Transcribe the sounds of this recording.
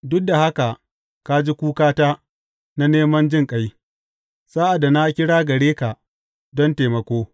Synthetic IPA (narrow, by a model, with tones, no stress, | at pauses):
dʊ˦k̚da˨ha˦ka˨ | ka˦d͡ʒi˦kʷuː˦kaː˦taː˦ | na˦neː˦mɐ˦nd͡ʒɪ˦ŋkʼa˦j | saː˦ʔa˨dːa˨na˦kʲɪ˦ɽaː˦ɡɐ˨ɽeː˦ka˨ʔ | dɔ˦nteː˨mɐ˨kʷoː˦